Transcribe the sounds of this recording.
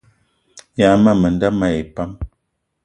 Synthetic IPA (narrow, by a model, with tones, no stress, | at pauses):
ja˨˦ma˦˨mə˨nda˦ma˦˨e˨pa˦m